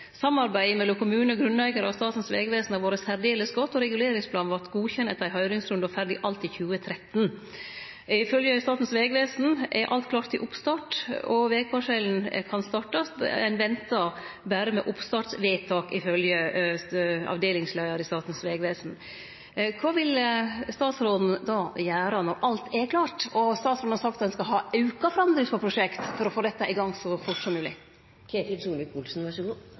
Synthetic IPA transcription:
sɑmɑɾbæɪmɛlːʊmkʰʊmʉːnɔɡɾʉnlæɪɡəɾəɑst̪ɑːt̪n̩sʋḛːɡʋeːsn̩ɑʋoːɾəshæɾɖ̪eːləsɡɔt̪ːɔɾɛɡʉleːɾɪŋspʰlɑːnʋɑʈ̪ɡuːçɛnːət̪d̪æɪhœʏɾɪŋsɾʉnd̪ɑfæɾɖɪʔɑlt̪ɪçʉːət̪ʰɾɛt̪n | ɪfœljəst̪ɑːt̪n̩sʋeːɡʋeːsn̩ɛ̰ʔɑ̰lt̪kʰlɑːʈt̪ɪʔʊpst̪ɑːʈɔʋeːkʰɑːʂɛln̩kʰɑnst̪ɑːʈɑsæ̰ɪnʋɛnt̪ɑbæːɾəmɛ̰ʔʊpst̪ɑːʈsʋeːt̪ʰɑːkɪfœljə | ɑ̰ʋd̪eːlɪŋslæɪɑɾɪst̪ɑːt̪n̩sʋeːɡʋeːsn̩ | kʰʋɑːʋɪlst̪ɑːt̪sɾoːd̪n̩d̪ɑjæːɾɑnɔɾʔɑlt̪ʰɛkʰlɑːʈɔst̪ɑːt̪sɾoːd̪nhɑsɑk̚t̪t̪ɛnskɑɦɑːɑʉkɑfɔɾɑnd̪ɾəspɔpʰɾʊʂɛkt̪fɔɾɔfoːd̪ɛt̪ːɑʔɪɡɑŋːsɔfʊʈsɔmːʉːlɪ | kʰeːt̪ɪlsuːlʋɪkʊlsn̩ʋɑʂəɡuː

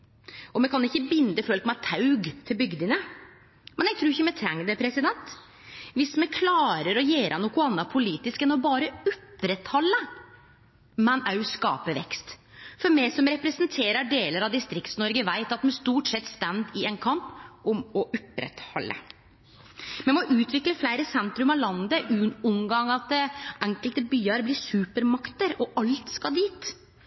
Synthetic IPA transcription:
ʔɔmɛkʰɑnɪçːəbɪnd̪əfœlkmɛt̪ʰɑʉɡt̪ʰɪlbʏɡd̪ənə | mɛnjæɡt̪ʰɾʉːɾɪçːəmɛt̪ʰɾɛŋːd̪əpʰɾɛsɪd̪ɛnt̪ | ʋɪsmɛkʰlɑːɾəɾɔjeːɾʔənuːkʊɑnːɑpʰʊliːt̪ɪskənɔbɑːɾəʊpːɾɛt̪hɔlːə | mɛnɑʉskɑ̰ːpəʋɛ̰kst̪fɔɾmɛɪsɔmɾɛpɾɛsənt̪ʰeːɾəɖeːləɾɑʋd̪ɪst̪ɾɪkt̪snɔɾɡəʋæɪt̪ɑt̪mɛnst̪uːʈsɛt̪ːst̪ænd̪ɪɛnkʰɑmpɔmɔʔʊpɾɛ̰t̪hɔ̰lːə̰ | mɛmɔʔʉːt̪ʋɪkləflæɪɾəsɛnt̪ɾʉmɑlɑnd̪əʔʉʊŋɡɑŋɑt̪ʔɛŋkəlt̪əbyːəɾblɪsʉːpəɾmɑkt̪əɾɔʔɑlt̪skɑd̪iːt̪

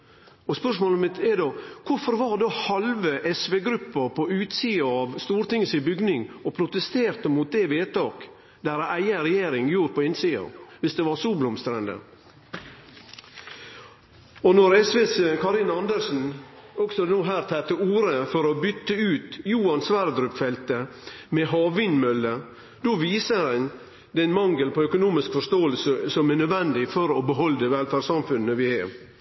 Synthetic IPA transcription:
ɔspœʂmoːləmɪt̪ɛɖoːkʰʊfɔɾʋɑɾd̪oːhɑlʋəʔɛsʋeːɡɾʉpːəɾpʰɔʉːt̪siːɑɑʋst̪uːɾt̪ɪŋəsɪbʏɡnɪŋɔpʰɾʊt̪əst̪eːɾt̪əmuːt̪̚d̪ɛʋeːt̪ɑːk | d̪æɾɑæɪəɾɛjeːɾɪŋjuːɾpʰɔɪnsiːɑ̰ʋɪsd̪ɛʋɑɾsuːblʊmst̪ɾɛnd̪ə̰ | ɔnɔɾɛsʋeːsekʰɑɾɪnɑnd̪əɾʂn̩ɔksɔnuːɦæːɾt̪ʰɛt̪əuːɾəfɔɾɔbʏt̪ːəʉːt̪juːɑnsʋæɾd̪ɾʉpfɛlt̪ə | mɛɦɑːʋʋɪnmœlːə | d̪oʋiːsəɾɛn | d̪ɛnmɑŋɡəlpʰɔœkʊnuːmɪskfɔʂt̪oːəlsəsɔmænœd̪ʋɛnd̪ɪfɔɾɔbəɦɔld̪ɛʋɛlfæːɖsɑmfʉnːəʋɪɛɾ

